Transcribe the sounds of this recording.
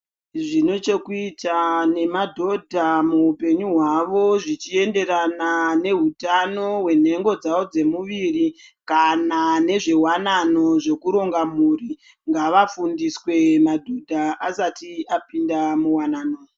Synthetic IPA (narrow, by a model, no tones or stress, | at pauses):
ʐino̞t͡ʃe̞kuitane̞madʱo̞dʱamuupe̞ɲuɦwaʋo̞ʐit͡ʃie̞nde̞ɾanane̞ɦutano̞ɦwe̞n̤e̞ŋɡo̞d͡zawo̞d͡ze̞muʋirikanane̞ʐe̞wanano̞ʐe̞kuɾo̞ŋɡamuːri | ŋɡaʋafundiswe̞madʱudʱaʔasatiapindamuwanaːno